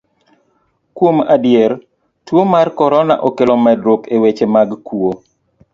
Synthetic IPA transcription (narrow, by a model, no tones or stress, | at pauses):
kwomadɪɛr | twomarkɔɾɔna̰ʔɔkelɔmɛdɾokewet͡ʃemaɡkwuo